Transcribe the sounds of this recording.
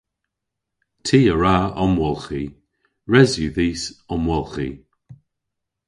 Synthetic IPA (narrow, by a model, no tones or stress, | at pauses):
tʰiːəɹaɔmwɔlˠxi | ɹɛzjuːðiːsɔmwɔlˠxi